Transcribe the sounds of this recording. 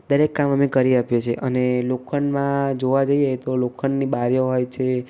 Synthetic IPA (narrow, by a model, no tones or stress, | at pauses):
d̪əɾekːaməmekəɾiapjet͡ʃʰeʔənelokʰəɳmãd͡ʒoʋad͡ʒəjəɦet̪olokʰəɳnibaɾjoɦojt͡ʃʰe